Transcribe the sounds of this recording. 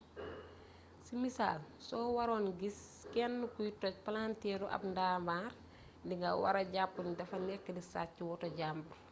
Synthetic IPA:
simisaːlsɔːwɐɾɔːnɡis | kɛnːukujtɔc̚pɐlaːntɛːɾuʔɐ̰bndaːmaːr | ndiŋɡɐwɐ̰ɾɐɟapːundɐfɐnɛkːədisa̰ːciwɔtɔɟambur

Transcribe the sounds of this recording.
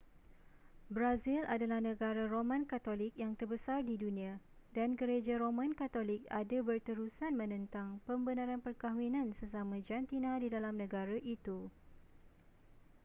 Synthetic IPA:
bɾazilʔadalahnə̃ɡaɾaromãnkat̪olɪk̚jaŋt̪ərbəsardidunĩa | danɡəɾed͡ʒaɾomãnkat̪olɪk̚adabərt̪əɾusanmə̃nə̃nt̪aŋpəmbənaɾanpərkaɦwinãnsəs̬amãd͡ʒant̪inãdidalamnə̃ɡaɾaʔit̪u

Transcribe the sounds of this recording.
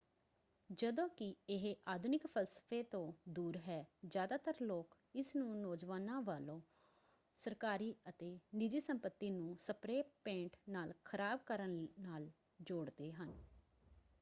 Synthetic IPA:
d͡ʒəd̪õːkɪɪɦʔaːd̪ʱʊnɪkpʰəlsə̥fʰeːt̪õːd̪uːɾɦɛːd͡ʒjaːd̪aːt̪əɾloːk | ɪsnũːnoːd͡ʒʋaːnãːʋaːlõː | səɾkaːɾiːət̪eːnɪd͡ʒiːsəmpət̪ːiːnũːsəpɾeːpẽːɳʈnaːlkʰəɾaːb̚kəɾənːaːl | d͡ʒoːɽd̪eːɦən

